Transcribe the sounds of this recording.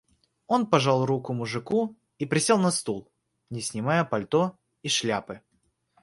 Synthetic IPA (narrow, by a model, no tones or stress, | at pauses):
o̞npɐʐalˠrukʊmʊʐɨku | ipɾʲɪsʲelˠnɐst̪ulˠ | nʲɪsʲnʲɪmajəpɐlʲt̪o | iʂlʲapɨ